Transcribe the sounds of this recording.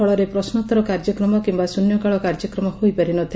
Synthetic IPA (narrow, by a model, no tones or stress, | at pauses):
ɔɭɔɾepɾɔsnɔt̪ɔɾɔkaɾd͡ʒɔkɾɔmɔkimbasunjɔkaɭɔkaɾd͡ʒɔkɾɔmɔhojpaɾinɔt̪ʰi